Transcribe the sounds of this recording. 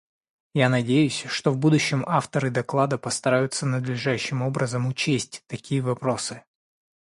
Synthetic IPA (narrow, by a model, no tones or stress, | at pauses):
janɐdʲejʉsʲʂt̪ovbud̪ʊɕːɪmaft̪əɾɨd̪ɐklˠad̪əpəst̪ɐɾajʊt̪sənəd̪lʲɪʐaɕːɪmo̞bɾʔəzəmʊt͡ɕesʲtʲt̪ɐkʲʰijəvɐpɾo̞sɨ